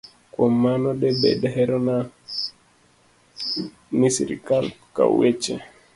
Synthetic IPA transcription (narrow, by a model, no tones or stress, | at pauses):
kwɔmanɔɗɛɓɛ̰ɗɛɦɛɾɔna | nisḭɾḭkalka̰ṵɛt͡ʃɛ